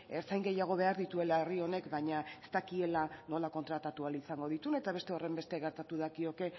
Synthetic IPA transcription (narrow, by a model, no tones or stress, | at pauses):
eɾt͡sajŋɡe̞jaɣ̞o̞β̞e̞aɾðit̪ue̞lae̞rio̞ne̞kbaɲaest̪akie̞lano̞lako̞nt̪ɾat̪at̪ualisaŋɡo̞ð̞it̪une̞t̪aβ̞e̞st̪e̞o̞re̞mbe̞st̪eɣe̞ɾt̪at̪uðakio̞ke̞